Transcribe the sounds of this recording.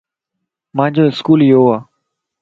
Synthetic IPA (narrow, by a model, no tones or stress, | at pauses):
mãːɲd͡ʑoːɪskuːlɪjoːaː